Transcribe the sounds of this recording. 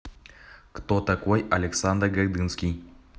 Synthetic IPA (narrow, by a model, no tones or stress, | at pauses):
kt̪ot̪akojɐlʲeksand̪rɡard̪ɨnskʲi